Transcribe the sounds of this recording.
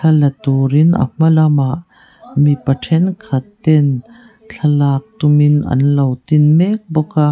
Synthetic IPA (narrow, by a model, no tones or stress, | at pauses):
t͡ɬʰɐlɐt̪ɔɾinɐ̰m̥ɐlɐmaʔ | mipɐʈʰɛnkʰɐt̪ːɛn | t͡ɬʰɐlaːk̚t̪uminɐ̰nlɐwt̪inmɛk̚bɔka